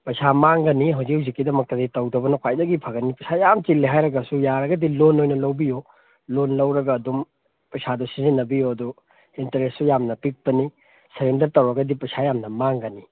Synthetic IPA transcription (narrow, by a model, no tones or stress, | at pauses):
pɐjsʰamaŋɡɐniɦɐwzik̚huwzikːidɐmɐk̚tɐditɐwdɐbɐnɐkʰwajdɐɡipʰɐɡɐnipɐjsʰajamt͡ʃilːiɦajɾɐɡɐsujaɾɐɡɐdilonojnɐlɐwbijo | lonlɐwɾɐɡɐːdum | pɐjsʰadusizinːɐbijoɐdu | intɐɾessujamnɐpik̚pɐni | sɐɾendɐɾtɐwɾɐɡɐdipɐjsʰajamnɐmaŋɡɐni